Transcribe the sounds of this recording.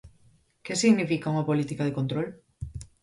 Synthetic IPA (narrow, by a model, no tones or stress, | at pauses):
kesiɣnifikauŋapolit̪ikað̞ekont̪ɾol